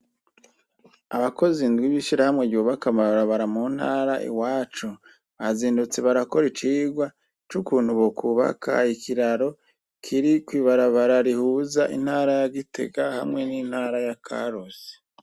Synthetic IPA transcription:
a̰βako̞zindɡwiβiʃiɾahamŋeɟuβakamaɾaβaɾamun̥haːɾaʔḭwaːt͡ʃu | βaziːndut͡se̞βaɾako̞ɾit͡ʃiːɡwa | t͡ʃukuːnhuβokʰuβa̰kʰa̰ikʰiɾaɾo̞ | kʰiɾikwiːβaɾaβaɾaɾihuːzaʔḭn̥haːɾajaɡitʰe̞̰ɡaha̰mŋe̞nin̥haːɾajakʰa̰ɾose̥

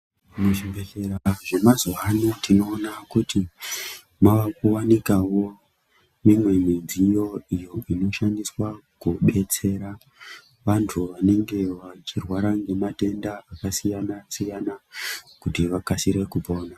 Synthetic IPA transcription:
muʐibeɬe̞ɾaʐe̞mazoɦanotino̞ːnakuti | maʋakuwanikawo̞ | mimwe̞minzijo̞ijo̞ino̞ʃandiswakuɓe̞t͡se̞ɾa | ʋantʰuʋane̞ŋɡe̞ʋat͡ʃirwaɾaŋɡe̞mate̞ndaakasijanasijanakutiʋakasiɾe̞kupo̞ːna

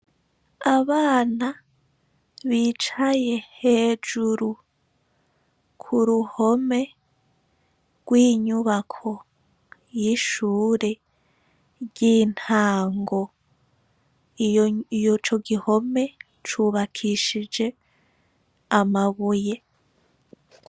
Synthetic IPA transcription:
aβaːna | βiːt͡ʃaje̞heːd͡ʒuɾu | kʰuɾuho̞me̞ | ɡ̥wiːɲuβakʰo̞ | jiʃuːɾe̞ | ɾɟiːn̥haːŋɡo̞ | ijot͡ʃo̞ɡiho̞me̞ | t͡ʃuːβakʰiʃid͡ʒe̞ | amaβuje̞

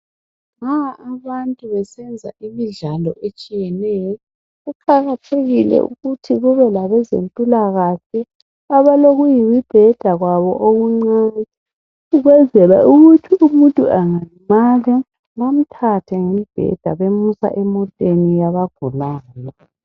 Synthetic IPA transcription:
ŋaaβantʼuβɛsɛnd͡zʱa̰ʔimiɮalɔ̰ʔet͡ʃʼijɛnɛjɔ | ɣukʰaɣatʰeɣilɛ̰ʔṵɣutʰiɣuβɛlaβɛzḛmpʼulaɣaɬɛ | aβaloɣujiwib̥ʱɛd̥ʱaɣwaβɔ̰ʔoɣuŋ͡ǀanɛ | uɣwɛzɛlɛ̰uɣutʰiʔumuntʼuaŋaimalɛ | lam̩tʰatʰɛŋemib̥ʱɛ̰d̥ʱa̰βemusa̰ʔɛmɔtʼenijaβaɡ̥ʱulaːnɔ

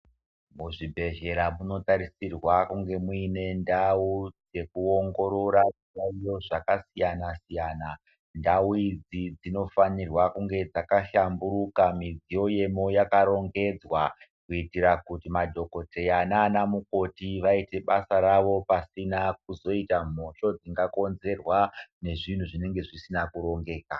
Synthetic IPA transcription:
muʐibʱe̞ʒe̞ɾamuno̞taɾisirwakuŋɡe̞muine̞ndaud͡ze̞kuo̞ŋɡo̞ɾo̞ɾauaijo̞ʐakasijanasijaːna | ndauid͡zid͡zino̞fanirwakuŋɡe̞d͡zakaʃambuɾukamid͡zijo̞je̞mo̞jakaɾo̞ŋɡe̞d͡zwa | kuitiɾakutimadʱo̞ko̞te̞jananamuko̞tiʋaite̞ɓasaɾaʋo̞pasinak̚uzo̞itam̤o̞ʃo̞d͡ziŋɡako̞nze̞rwane̞ʐin̤uʐine̞ŋɡe̞ʐisinakuɾo̞ŋɡe̞ːka

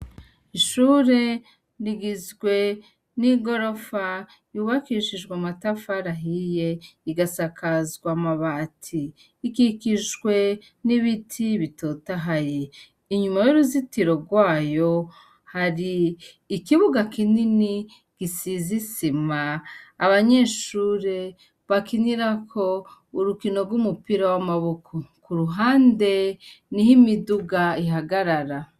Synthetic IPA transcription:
iʃuːɾe̞ | ɾiɡizɡwe̞ | niɡo̞ɾo̞fa | juːβakiʃiʒɡwamatafaɾaɦije̞iɡasakazɡwamaβaːtʰiː | kikiʒɡwe̞ | niβitʰiβitotaɦaje | iɲumajuɾuzitiɾo̞ɡwaːjo̞ | haɾiː | kiβuɡakinini | ɡ̥isizisimaːβaɲe̞ːʃuːɾe̞ | βakiɲiɾakʰo̞ | uɾukino̞ɾɡumupiɾawamaβukʰokuɾuɦaːnde̞nihimiduɡaiɦaɡaɾaɾa

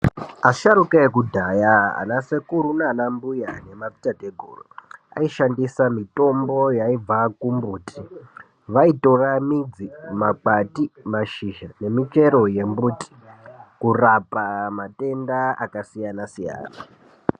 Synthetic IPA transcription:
aʃaɾukaek̬udʱajaa̰nase̞kuɾunanambujane̞mapi̥tateɡʱo̰ːroa̰iʃandisamito̞mbo̞jaib͡vakumbuːtʰi | ʋaito̞ramid͡zimak͡patimaʃiʒane̞mit͡ʃe̞ɾo̞je̞mbuti̥kurapamate̞ndaa̰kasijanasija̰ːna

